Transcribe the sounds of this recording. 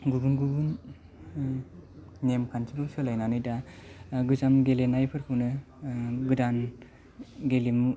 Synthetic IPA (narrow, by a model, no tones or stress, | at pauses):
ɡubunɡuɡun | emkʰansʰibɯwsɯlajnanɯjdaɡɯzamɡelenajpʰɯɾkʰɯwnɯ | ɡɯdan | ɡelimu